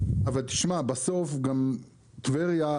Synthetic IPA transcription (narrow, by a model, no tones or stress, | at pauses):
avalt̪i̥ʃmabaso̞fɡam | t̪veʁja